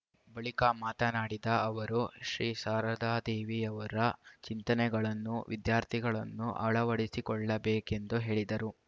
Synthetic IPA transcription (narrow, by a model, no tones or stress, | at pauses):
bɐɭikamaːt̪ɐnaːɽid̪ɐːʋɐɾuʃɾiːsaːɾɐd̪aːd̪eːʋiɐʋɐɾɐt͡ʃint̪ɐnɛɡɐɭɐnːuʋʔḭd̪jaːɾt̪ʰiɡɐɭɐnːuʔɐ̰ɭɐʋɐɽisikɔɭːɐbeːke̞nd̪uɦe̞ːɭid̪ɐɾu